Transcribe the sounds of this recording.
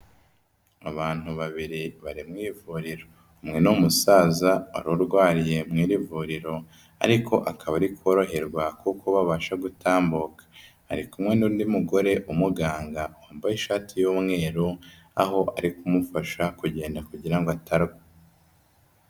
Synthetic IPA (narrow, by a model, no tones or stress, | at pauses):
aβaːn̥huβaβiɾiβaɾimŋiːvuɾiɾo | umŋe̞numusaːzaa̰ɾuɾɡwaːɾije̞mŋiːɾivuɾiɾo̞ | a̰ɾiko̞ʔakʰaβaɾikuo̞ɾo̞ɦe̞ɾɡwakukoβaβaːʃaɡutʰaːmbokḁ̰ː | ɾikumŋe̞nudimuɡo̞ɾe̞ʔumuɡaːŋɡahaːmbajiʃaːtʰijuːmŋe̞ːɾu | a̰ɦo̞ʔa̰ɾikumufaʃakuɟe̞ːndakuɟiɾaŋɡoatʰaɾɡa